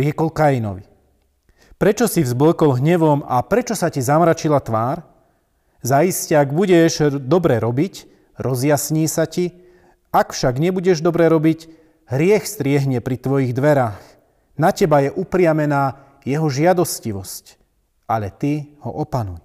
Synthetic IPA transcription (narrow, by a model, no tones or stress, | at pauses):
ɾɪɛkɔlkajinɔ̰ʋi | pɾɛt͡ʃɔsivzbləkɔlɦɲɛʋɔma̰pɾɛt͡ʃɔsacizamɾat͡ʃilat̪ʋaːɾ | zaiscɛaɡbuɟɛʒd̪ɔbɾɛɾɔbic | ɾɔzjasɲiːsaci | akfʃaɡɲɛbuɟɛʒd̪ɔbɾɛɾɔbic | ɦɾɪɛxst̪ɾɪɛɦɲɛpɾit̪ʋɔjiɣd̪ʋɛɾaːx | nacɛbajɛʔupɾɪamɛnaː | jɛɦɔʒɪad̪ɔsciʋɔsc | aʎɛt̪ihɔ̰ʔɔpanṵj